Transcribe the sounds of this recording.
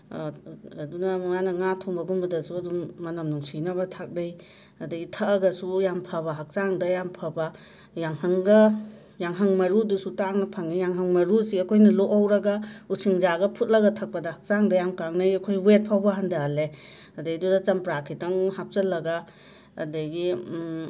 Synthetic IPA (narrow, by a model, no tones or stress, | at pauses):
dunɐmjanɐŋatʰɔŋbɐɡumbɐdɐsuɐdumːɐnɐmnuŋsinɐbɐtʰak̚bej | ɐdɐitʰɐɐɡɐsujampʰɐbɐɦak̚zaŋdɐjampʰɐba | jaŋhɐŋɡɐ | jaŋɦɐŋmɐɾudusutaŋnɐpʰaŋijaŋɦɐŋmɐɾusiɐkʰojnɐloʔawɾɐɡausʰiŋzaɡɐpʰut̚lɐɡɐtʰɐk̚pɐdɐhɐ̥k̚zaŋdɐjamkaŋnajɐkʰojwet̚pʰawbɐɦandale | ɐdajdudɐt͡ʃɐmpɾakʰitaŋhap̚zɐlɐɡa̰ː | dɐɡi